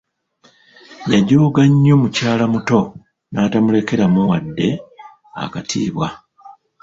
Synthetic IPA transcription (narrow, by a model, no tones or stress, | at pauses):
jaɟo̞ːɡaɲːo̞mucaːlamuto̞ | naːtamule̞ke̞ɾamuwadːe̞ | a̰katʰḭːβwa